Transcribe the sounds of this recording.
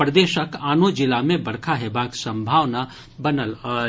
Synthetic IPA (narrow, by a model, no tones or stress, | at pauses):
pɾəd̪eːʃəkaːnod͡ʒɪlamẽbɐɽkʰaɦebaːksə̃mbʱaːʋna | bɐnəl